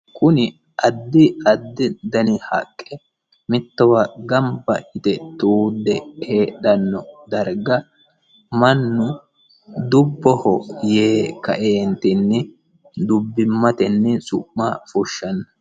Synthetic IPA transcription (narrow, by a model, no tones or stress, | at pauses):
kʊnɪ | ɐd̪ːɪɐd̪ːɪd̪ɐnɪhɐ̰kʼːɛ | mɪt̪ːɔwɐɡɐmbɐʔɪt̪ɛt̪uːd̪ːɛheːɗɐnːɔd̪ɐɾɡɐ | mɐnːʊ | d̪ʊbːɔhɔjeːkːɐ̰ʔeːnt̪ɪnːɛ | d̪ʊbːɪmːɐt̪ɛnːɛsʊʔmːafʊʃːɐnːɐ